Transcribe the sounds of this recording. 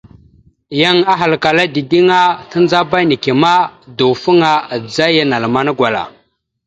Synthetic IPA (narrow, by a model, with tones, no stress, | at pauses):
ja˦ŋa˦ɦa˨lka˨la˦di˨di˦ŋa˦ta˦nd͡za˦ba˦ni˨ki˨ma˦du˨fu˦ŋa˦˨d͡za˦ja˦na˨lma˦na˦ɡwa˨la̰˨